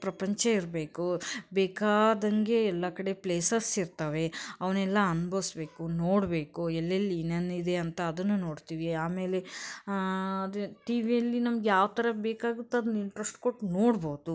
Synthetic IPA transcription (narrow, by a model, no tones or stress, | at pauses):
pɾɐpɐɲt͡ʃɐiɾbe̞ːkubeːkaːd̪ɐŋɡe̞ːlːɐkɐɽe̞pleːsɐsiɾt̪ɐʋe̞ɐʋɐnɛlːɐɐnbʱɐʋisbe̞ːkunoːɽbe̞ːkuɛlːelːiːnɐnid̪e̞ɐnt̪ɐːd̪ɐnːuno̞ːɽt̪iːʋiaːme̞ːle̞ | ɐd̪uʈiːʋijɐlːinɐmɐɡejaːʋt̪ɐɾɐbeːkaːɡut̪ːɐɐd̪ɐniɳʈɾɐsʈkoʈːnoːɽboːd̪u